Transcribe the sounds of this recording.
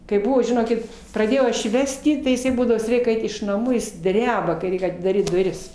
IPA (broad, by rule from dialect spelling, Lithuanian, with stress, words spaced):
kɐɪ ˈbʊʋoː ʒʲɪˈnoːkʲɪt prɐˈdʲeːjɛʊ ˈɐʃ jiː ˈʋʲæːsʲtʲɪ tɐɪ ɪˈsɐɪ ˈbuːdɐʋoː ʋʲɪs ˈrʲɛɪk ˈɐɪt ɪʃ nɐˈmuː ˈjɪs ˈdʲrʲæːbɐ kɐɪ ˈrʲɛɪk ɐtʲɪdɐˈrʲiːt dʊˈrʲɪs